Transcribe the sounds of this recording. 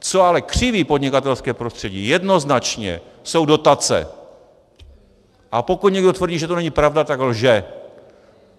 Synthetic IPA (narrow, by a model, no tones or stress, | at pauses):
t͡so̞alɛkr̝̥ɪviːpod̪ɲɪkat̪ɛlskɛːpɾost̪r̝̥ɛɟḭːjɛdno̞znat͡ʃɲɛ̰so̞wdo̞t̪at͡sɛ̰ | ʔapo̞kut̪ɲɛɡdo̞t̪vr̩ɟiːʒɛt̪onɛɲɪpɾavdat̪aɡlʒɛ